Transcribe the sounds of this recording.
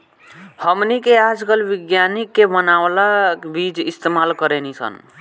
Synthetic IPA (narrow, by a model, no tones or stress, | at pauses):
həmnikead͡ʒɡəlbiɡjanikːebənawlabid͡ʒist̪emalkəɾenisʰə̰n